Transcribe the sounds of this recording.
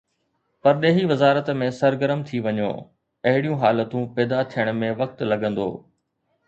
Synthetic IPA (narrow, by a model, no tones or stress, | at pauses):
pɐɾɗeːɦiʋɐzaːɾət̪mẽsɐɾɡəɾəmt̪ʰiʋɐɲo̰ː | ɐɦɪɽijũɦaːlət̪ũpɛːd̪at̪ʰijəɽ̃̆mẽʋɐk̚t̪lɐɡə̃nd̪o̰ː